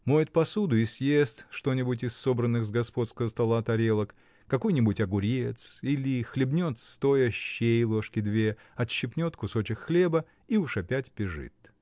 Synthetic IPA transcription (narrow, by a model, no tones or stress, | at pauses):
mojɪt̪̚pɐsud̪ʊɪsʲjest̪ʂt̪o̞nʲɪbʊtʲɪsːo̞bɾənːɨxzɡɐspo̞t̪skəvəst̪ɐlˠat̪ɐɾʲe̞lˠək | kɐko̞jnʲɪbʊtʲɐɡʊɾʲet̪silʲɪxlʲɪbnʲo̞t̪st̪o̞jəɕːejlˠo̞ʂkʲɪd̪vʲe | ɐt̪ɕːɪpnʲo̞t̪kʊso̞t͡ɕɪkxlʲe̞bə | iuʂɐpʲætʲpʲɪʐɨ̰t̪